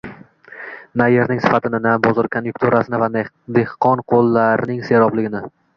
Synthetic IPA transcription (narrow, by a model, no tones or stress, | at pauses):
najeɾnɪŋsɪ̥fat̪ʰɪnɪnabɒzɪɾkʰonjuk̚t̪ʰuɾasɪnɪva | d̪ehqʰɒnqʰolˠːaɾnɪŋse̞ɾɒblɪɡʲɪnɪ